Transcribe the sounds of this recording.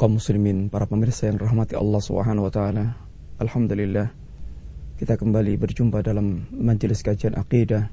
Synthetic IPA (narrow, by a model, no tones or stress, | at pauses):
kɔmːʊslimɪnpaɾapəmɪrsajaŋraɦmat̪iɑ̰lːɑhsubə̰ɦanawat̪aala | ʔalhamd̪ulilːah | kit̪akəmbalibərd͡ʒumpadalamːaɲd͡ʒəlɪskad͡ʒianʔa̰qidah